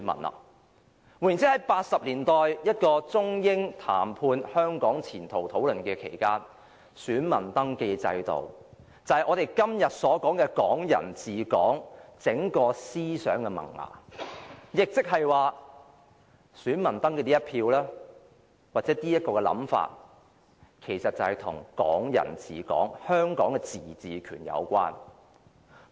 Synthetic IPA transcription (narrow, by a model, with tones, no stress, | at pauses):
mɐ̰˨˩nɐ̰˨ | wjnt͡siː˨˥hɐ˨˥jpaː˧t̚sɐ˨p̚liː˨˩nt̪ɔː˨jjɐ˥t̚kɔː˧t͡sʊ˥ŋjɪ˥ŋt̪ʰa̰ː˨˩mpʰuː˧nhœː˥ŋkɔː˨˥ŋt͡sʰiː˨˩nt̪ʰo˨˩wt̪ʰo˨˥wlɵ˨˩nkɛː˧kʰḛ˨˩jkaː˥n | syː˨˥nmɐ̰˨˩nt̪ɐ˥ŋke˧jt͡sɐ̰˧jt̪o̰˨˩w | t͡sɐ˨˩whɐ˨jʔɔː˨˧ɾe˨jkɐ˥mjɐ˨t̚sɔː˨˥kɔː˨˥ŋkɛː˧kɔː˨˥ŋjɐ̰˨˩nt͡siː˨˩kɔː˨˥ŋt͡sɪ˨˥ŋkɔː˧siː˥sœː˨˥ŋkɛ˧mɐ̰˨˩ŋa̰ː˨˩ | jɪ˨k̚t͡sɪ˥k̚ɦɐ˨jwaː˨ | syː˨˥nmɐ˨˩nt̪ɐ˥ŋkɛː˧niː˥ɐ˥t̚pʰiː˧wlɛː˥ | waː˨˩t̚t͡sɛː˨˥t̪iː˥jɐ˥t̚kɔː˧kɛ˧lɐ̰˨˥mfa̰ː˧t̚ | kʰe˨˩jsɐ˨t̚t͡sɐ˨˩hɐ˨jt̪ʰʊ̰˨˩ŋkɔ̰ː˨˥ŋjɐ̰˨˩nt͡sḭː˨kɔ̰ː˨˥ŋhœː˥ŋkɔː˨˥ŋkɛ˧t͡siː˨˩t͡siː˨kʰyː˨˩njɐ̰˨˧wkʷa̰ː˥n